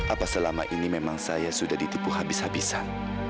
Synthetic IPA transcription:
ʔapasəlama̰ʔinimemaŋsajasudahdit̪ipuhabɪshabisan

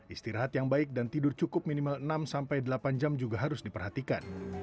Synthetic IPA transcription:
ʔist̪iɾaɦat̪jaŋbaɪk̚dant̪idʊrt͡ʃukʊp̚minimalənamsampajdəlapand͡ʒamd͡ʒuɡaɦaɾʊsdipərhat̪ikan

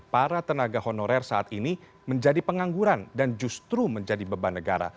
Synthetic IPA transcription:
paɾat̪ənaɡahonɔɾɛrsaat̪ini | məɲd͡ʒadipəŋaŋɡuɾandand͡ʒust̪ɾuməɲd͡ʒadibəbanəɡaɾa̰

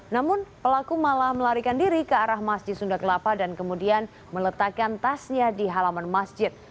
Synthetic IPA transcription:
namʊnpəlakumalahməlaɾikandiɾikəaɾahmasd͡ʒɪt̪̚sundakəlapadankəmudian | mələt̪akant̪asɲadiɦalamanmasd͡ʒɪt̪̚

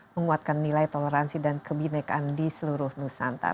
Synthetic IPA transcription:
məŋuat̪̚kanːilajt̪oleɾansidankəbinɛkandisəluɾʊhnusant̪a̰r

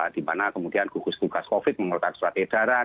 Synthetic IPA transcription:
d̥imanakəmud̥ianɡ̥uɡust̪uɡ̥askofɪt̪̚məŋurt̪ansuɾat̪ed̥aɾa

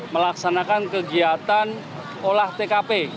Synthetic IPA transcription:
məlaksanakankəɡiat̪an | olaht̪ekape

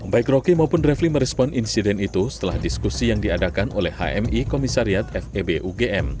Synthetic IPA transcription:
baɪkrokimaupʊnrɛfliməɾɛspɔninsidɛnit̪usə̥t̪əla̰hdiskusijaŋdiadakano̰lɛhha̰ʔɛ̰mikomisaɾiat̪ɛfebeʔuɡeʔɛm

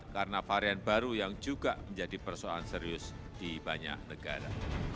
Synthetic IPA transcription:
kaɾənafaɾianbaɾujaŋd͡ʒuɡaməɲd͡ʒadipərsoa̰anseɾiʊs | d̥ibaɲa̰k̚nəɡa̰ɾa̰

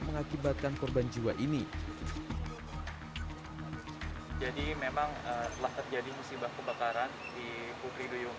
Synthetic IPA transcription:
məŋakibat̪̚kankɔrband͡ʒiwaʔini | d͡ʒadimemaŋət̪əlaht̪ərd͡ʒadimusibahkəbakaɾan | di | put̪ɾidujuŋ

